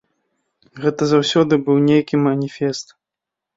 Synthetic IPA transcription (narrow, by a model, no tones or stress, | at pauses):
ɣɛt̪ɐzawsʲɔd̪ɨbɨwnʲejkʲimɐnʲifʲɛst̪